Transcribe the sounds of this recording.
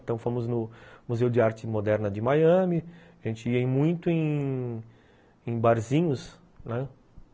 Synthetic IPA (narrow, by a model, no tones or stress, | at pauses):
t̪ɐ̃w̃fõmʊznʊmuzewd͡ʒɪaɾt͡ʃɪmod̪ɛɾnɐd͡ʒɪmajɐ̃mɪaʒẽnt͡ʃɪiẽj̃mũj̃t̪ʊẽj̃ | ẽj̃baɾzĩɲʊs | nɛ